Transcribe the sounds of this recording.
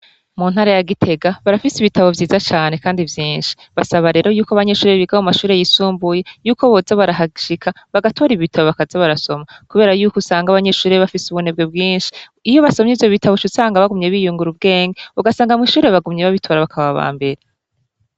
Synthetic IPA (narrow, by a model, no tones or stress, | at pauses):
mun̥haɾajaɡitʰe̞ɡaβaɾafisiβitʰaβo̞vjiːzat͡ʃaːne̞kaːndivjiːnʃi̥βasaβaɾe̞ːɾo̞juːkoaβaɲe̞ʃuːɾeβiɡamumaʃuːɾejisuːmbuje̞juːko̞βo̞ːzaβaɾaɦaʃikʰa | βaɡatʰo̞ːɾiβiβitʰaβoβakazaβaɾaso̞makuβe̞ːɾajuːkusaːŋɡaβaɲe̞ʃuːɾeβafisuβun̥e̞b̚ɡe̞bɡiːnʃi̥ | ijo̞βasomɲiːvjo̞βitaβot͡ʃusaːŋɡaβaɡumɲe̞βijuːŋɡuɾub̚ɡe̞ːŋɡeuɡasaːŋɡamwiʃuːɾeβaɡumɲeβaβitʰo̞ːɾaβakʰaβaβa̰ːmbe̞ɾe